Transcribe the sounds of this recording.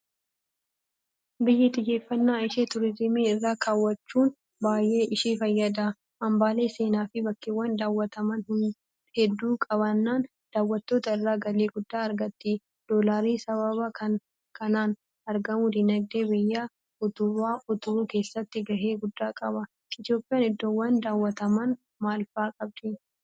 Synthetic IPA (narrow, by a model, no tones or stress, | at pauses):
bɪjːɪt̪ʼɪje̞ːfːɐnːaːɪʃeːt̪ʊɾɪzɪmiːɪrːaːkʰaːwːɐt͡ʃːuːn | baːjʔe̞ːʔɪʃiːfɐjːɐd̪ɐ | ʔɐmbaːle̞ːse̞ːnaːfɪbɐkːɪwːɐnd̪aːwːɐt̪ɐmɐnhʊn | hɛd̪ːuːkʼɐβɐnːaːn | d̪̥aːwːɐt̪ːo̞ːt̪ɐɪrːaːɡɐleːɡʊd̪ːaːɐɾɡɐt̪ːi | d̪̥oːlaːɾiːsɐβɐβɐkɐ | kɐnaːn | ɐɾɡɐmuːd̪ɪnɐɡd̪eːbɪjːaː | ʊt̪ʊwaːʊt̪ʊhuːke̞ːsːɐt̪ːɪɡɐɦe̞ːɡʊd̪ːaːkʼɐbɐ | ɪt̪jo̞ːpʼɪjaːnɪd̪ːoːwːɐnd̪aːwːɐt̪ɐmɐn | maːlfaːkʼɐb̚d̪ɪ